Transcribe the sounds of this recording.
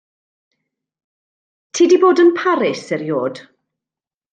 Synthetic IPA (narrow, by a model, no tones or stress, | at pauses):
tʰiːdiboːdənpʰaɾɪsɛɾjoːd̥